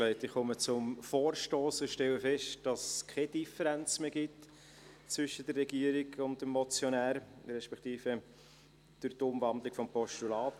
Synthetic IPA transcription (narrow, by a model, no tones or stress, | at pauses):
lɛɪtɪχχʊmət͡sʊmfoːɾʃtoːsɪʃtɛləfɛʃtd̥ɑskʰɛd̥ifəɾænt͡smeːɡɪt | t͡svʏʃədərːɛɡiəɾiɡʊntəmːɔt͡sjonæːɾɾɛʃpɛktiːfə | d̥ʊɾtʊmvɑndlɪkfɔmpɔʃtulɑːt